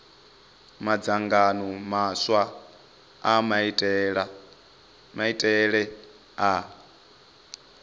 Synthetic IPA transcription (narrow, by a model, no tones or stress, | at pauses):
mad͡zaŋɡanɔmaswa | amtʼɺa | maitʼɛɺɛ | a